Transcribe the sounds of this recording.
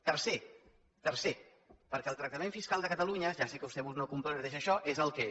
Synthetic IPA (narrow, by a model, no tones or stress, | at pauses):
t̪əɾse | t̪əɾse | pəɾkɛlˠt̪ɾəkt̪əmẽɱfiskalˠd̪əkət̪əluɲəʒasekəβust̪ɛβuznokumpɾoət̪eʃəʃɔʔezəlˠkɛ